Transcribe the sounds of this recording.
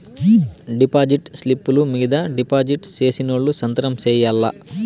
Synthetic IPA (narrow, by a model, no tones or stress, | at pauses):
ɖipaːd͡ʒiʈslipːulumiːd̪ɐɖipaːd͡ʒiʈt͡ʃeːsinoːɭːusɐnt̪ɐɾɐmt͡ʃɛːjɐlːɐ̰